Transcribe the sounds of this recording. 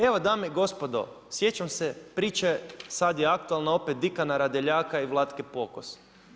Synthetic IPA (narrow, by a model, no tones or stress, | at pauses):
e̞ʋod̪aːmeɡo̞spo̞d̪o̰ | sje̞t͡ʃamsepɾiːt͡ʃasad̪jeakt̪ualˠnao̞pet̪̚d̪ikanaɾad̪eʎaːkaiʋlˠat̪kepo̞kos